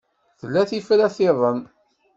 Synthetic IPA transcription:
θəlːæθifɾæθɪðˤən

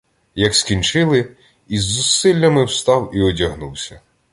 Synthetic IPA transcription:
jɐkskʲinʲt͡ʃɪlˠɪ | izːʊsːɪlʲːɐmɪwst̪ɑwiɔdʲɐɦnuwsʲɐ

